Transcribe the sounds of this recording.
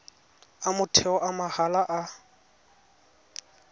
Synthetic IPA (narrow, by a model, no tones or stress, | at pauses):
amʊtʰɛɔʔamahalaʔa